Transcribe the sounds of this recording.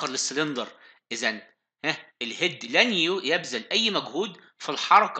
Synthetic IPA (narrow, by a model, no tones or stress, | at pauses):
ɑɾlesːlend̪ɑɾˤʔɪzæn | hæʔelhed̪ːlænjujæbzælʔæjːmæɡhuːd̪ | filħɑɾˤɑk